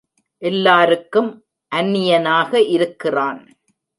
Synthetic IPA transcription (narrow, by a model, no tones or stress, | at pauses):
ʔɛlːaːɾɯkːɯm | ʔɐnːɪjɐnaːɣɐʔɪɾɯkːɪraːn